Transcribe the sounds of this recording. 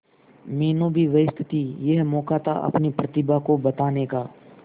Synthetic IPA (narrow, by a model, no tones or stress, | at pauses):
meːnõːbʱiʋɐɪst̪ʰɪ̥t̪ijɛɦmɔːkaːt̪a̰ʔɐ̰pnipɾɐt̪ɪbakobɐt̪aːnekaː